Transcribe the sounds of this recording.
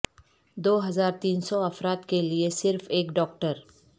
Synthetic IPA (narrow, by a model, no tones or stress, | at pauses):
d̪oːɦɐzaːɾt̪iːnsɔɐfɾaːt̪keliesɪɾfeːkɖɔːkʈəɾ